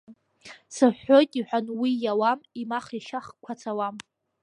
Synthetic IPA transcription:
saħːojtʼiħʷᶣanwijawamimaχiʃaχkʷʰat͡sʰawam

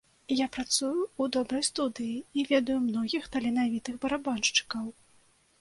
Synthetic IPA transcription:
japɾat̪sujuːd̪ɔbɾɐjst̪ud̪ɨjiivʲɛd̪ɐjumnɔɣʲixt̪ɐlʲɛnavʲit̪ɨɣbɐɾabɔnʂt͡ʂɨ̥kɐw

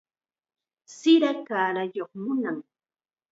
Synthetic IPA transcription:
sɪɾakaːɾajoχmʊnaŋ

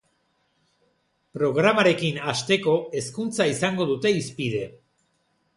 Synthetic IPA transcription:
pɾo̞ɣ̞ɾamaɾe̞kinast̪e̞ko̞e̞skunt͡saisaŋɡo̞ðut̪e̞ispið̞e̞

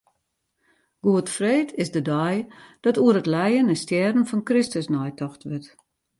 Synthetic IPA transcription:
ɡ̥uətfreːtʰɪsdədɔjd̥ɔtuəɾətlɛjənəstjɛːdn̩fɔnkrɪstəsnɔjtʰɔxtʋɪt

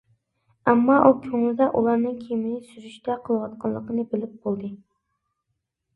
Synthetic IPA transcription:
æmːɑʔukʲʰøŋlɪd̪ɛʔulˠɑɾnɨŋkʲʰemɪnɪsyzyʃt̪ɛqʰəlˠɨwɑt̪̚qʰɑllˠəqənɨbɪlɪp̚bolˠd̪ɨ

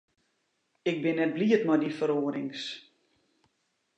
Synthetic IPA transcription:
ɪk̚bɪnːɛt̚bliətmɔjdifəɾoːəɾɪŋs

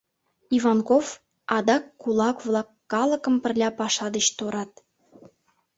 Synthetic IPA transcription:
ivɑnkof | ɑd̪ɑkːulˠɑkvlˠɑkːɑlə̆kə̆mpə̆rlʲɑpɑʃɑd̪ət͡ɕt̪oɾɑt̪̚

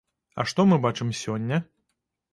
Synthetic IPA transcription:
ɐ̰ʂt̪ɔmɨbat͡ʂɨmsʲɔnʲːɐ

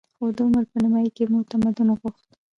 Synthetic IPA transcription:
xod̪əʊməɾpənimɑjkemʊt̪amad̪unɣuxt̪

